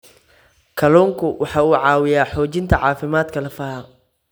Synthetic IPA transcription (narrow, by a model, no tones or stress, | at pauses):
kʰɐlɔːŋkʰʊwʔɑħɑːuːʕɑːwɪjaːħɔːt͡ʃɪnt̪ʰɐʕɑːfɪmaːd̪kʰɐlɐfɐːhɐm